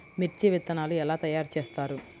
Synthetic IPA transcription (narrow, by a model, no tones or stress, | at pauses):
miʈt͡ʃiʋit̪ːɐnaːluɛlaːt̪ɐjaːɾt͡ʃeːst̪aːɾu